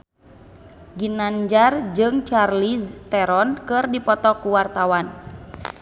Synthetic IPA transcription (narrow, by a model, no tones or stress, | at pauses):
ɡinaɲd͡ʒard͡ʒɨŋt͡ʃarlist̪ɛɾɔnkɨrdipɔt̪ɔkuwart̪awan